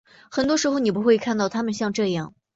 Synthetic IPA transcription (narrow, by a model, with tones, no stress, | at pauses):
xə˨˩nt̪wɔ˥ʂɻ̩˧˥xo˧ʊni˨˩pu˧˥xwe˥˧ɪkʰa˥˧nt̪ɑ˥˩ʊt̪ʰa˥mə˨nɕjɑ˥˧ŋʈ͡ʂɤ˥˧jɑ˥˩ŋ